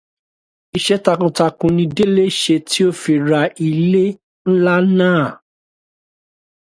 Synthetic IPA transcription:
i˨ʃɛ˦ta˧kũ˧ta˧kũ˧nĩ˧de˦le˦ʃe˧ti˦o˦fi˧ɾa˧i˧le˦ | n̩˦la˦nãː˦˨

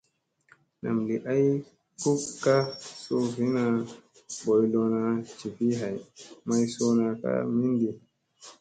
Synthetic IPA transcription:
na̰˨mli˨ʔa˦j | ku˦kkːa˦so˦vi˦na˨ | bɔ˨jlo˨˧na˧t͡ʃi˨vi˦ɦa˨jma˦jso˦na˨ka̰˦mi˦ndi˨

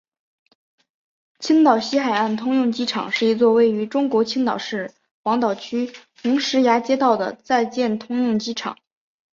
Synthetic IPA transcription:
t͡ɕʰi˥ŋt̪ɑ˨˩ʊɕi˥xa˨˩ɪa˥˩nt̪ʰʊ˥ŋjʊ˥˩ŋt͡ɕi˥ʈ͡ʂʰɑ̰˨˩˦ŋʂɻ̩˥˩i˧˥t͡swɔ˥˧we˥˩ɪy˧˥ʈ͡ʂʊ˥ŋkwɔ˧˥t͡ɕʰi˥ŋt̪ɑ˨˩ʊʂɻ̩˥˩ | xwɑ˧˥ŋt̪ɑ˨˩ʊt͡ɕʰy˥t̪ʊ˧˥ŋʂɻ̩˧˥ja˧˥t͡ɕjɛ˥t̪ɑ˥˩ʊd̪ə̰˩t͡sa˥˧ɪt͡ɕjɛ˥˩nt̪ʰʊ˥ŋjʊ˥˩ŋt͡ɕi˥ʈ͡ʂʰɑ̰˨˩˦ŋ

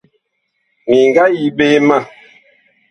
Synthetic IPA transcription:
mi˨ŋɡa˦ji˦be˦ma˦˨

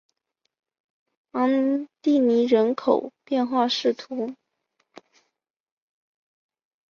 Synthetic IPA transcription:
ɑ˧˥ŋt̪i˥˩ni˧˥ɻə˧˥nkʰo˨˩ʊpjɛ˥˧nxwa˥˧ʂɻ̩˥˩t̪ʰu˧˥

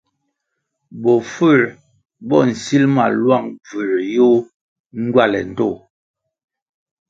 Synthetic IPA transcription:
bɔ˨fə˦˨ɾ | bɔ˦˨n̩˨si˦lma̰˨lwa˦˨ŋvə˨ɾjo˦ | ŋ̩˦ɡɥa˦˨lɛ̰˨n̩˨to˦˨

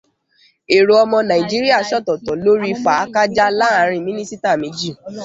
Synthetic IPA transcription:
e˨ɾo˨ɔ˧mɔ̃˧nã˨i˨d͡ʒi˦ɾi˦a˦˨ʃɔ˦˨tɔ˨tɔ˨lo˦ɾi˦fa˨˦ka˦d͡ʒa˦la˦a˨˧˦ɾ̃ĩ˧˨mĩ˦nĩ˦si˦ta˦˨mĩ˨˦d͡ʒi˦˨

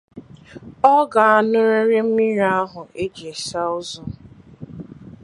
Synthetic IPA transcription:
ɔ˦ɡa˨a˨nʊ˦ɾe˦ɾɪ˦m̩˦mi˦ɾa˦ɦʊ˨e˦d͡ʒe˨sa˦ʊ˦zɔ˦

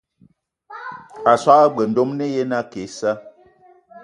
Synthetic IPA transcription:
a˨swa˦a˦ɡ͡bə˨n̩˨do˦mne˦je˦na˦ke˨˦sa˦

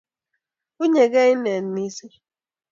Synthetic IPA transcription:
u˦ɲe˨ɡe˦i˦ne˨n̩˦ni˦si˦

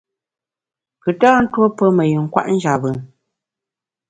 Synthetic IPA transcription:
kɨ˨taː˦n̩˦two˦pə˦mə˨jʉ˨ŋ̩˦kwa̰˦ʔn̩˦d͡ʒa˨bɯ˨ŋ

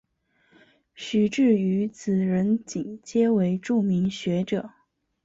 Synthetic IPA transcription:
ɕy˨˥˩ʈ͡ʂɻ̩˥˩y˧˥t͡sɹ̩˨˩ɻə˧˥nt͡ɕi˨˩ŋt͡ɕjɛ˥we˧˥ɪʈ͡ʂu˥˩mi˧˥ŋɕɥɛ˧˥ʈ͡ʂɤ˨˩˦

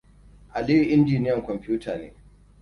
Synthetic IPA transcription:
ʔa˨liː˦ji˨ʔɪ˦nd͡ʒiː˨nɪ˦jɐ˨ŋkʷɔ˨mɸʲuː˦taː˨nḛː˨˦

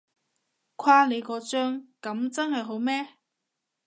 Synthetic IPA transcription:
kʷʰwaː˧le˨˧jkɔː˨˧t͡sœː˥ŋkɐ˨˥mt͡sɐ˥nhɐ˨jɦo˨˥wmɛː˥

